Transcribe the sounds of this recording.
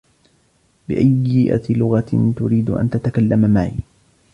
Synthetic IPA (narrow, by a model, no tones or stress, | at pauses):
bɪʔajːɪʔa̰t̪lʊɣat̪ʊɾiːd̪ʊʔa̰nt̪at̪akalːamamaʕḭː